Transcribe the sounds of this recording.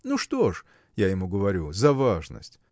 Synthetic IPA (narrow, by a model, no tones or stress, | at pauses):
nuʂt̪oʂ | jajɪmuɡəvɐɾʲuzɐvaʐnə̰sʲtʲ